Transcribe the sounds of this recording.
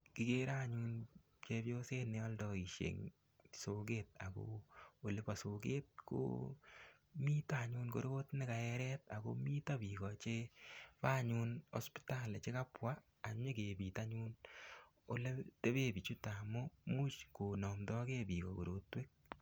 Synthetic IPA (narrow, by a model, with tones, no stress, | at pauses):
ki˦ke˦ɾa˦ɲu˦n | t͡ʃe˧bjo˦se˦nɛ˨ɔ˦ldɔ˨i˨ʃḛ˨ŋ | soɡet̚a˨ko̰o˨le˦pa˨sokḛ˦t̚ko̰ | mi˦ta˨ɲunko˦ɾo˦tnɪ˦ka˨ɛɾɛta˨ko̰miː˦ta˦biːkɔt͡ʃe˦pa˦ɲu˦nɔ̰˦spi̥ta˦le˨t͡ʃe˦ka˦pwaː˨ | mɲe˦ke˨bi˨ta˦ɲu˦n | o̰˦le˦te˦βe˦bi˨t͡ʃu˦tamu˦mu˦t͡ʃko˨nɔ˨mdɔ˦ke˦bi˨kɔ̰˨ko̰˨ɾo˦twe˦k̚